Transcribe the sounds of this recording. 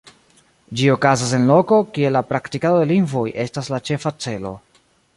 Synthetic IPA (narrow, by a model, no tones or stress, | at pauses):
d͡ʒio̞kazas̬e̞nlo̞ko̞kie̞lapɾaktikado̞de̞liŋɡvo̞jʔe̞staslat͡ʃe̞fat͡se̞lo̞̰